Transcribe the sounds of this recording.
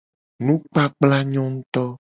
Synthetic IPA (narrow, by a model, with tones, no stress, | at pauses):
nũ˦k͡pa˦k͡pla˦ɲɔ̃˦ŋ̩̃˦t̪ɔ˦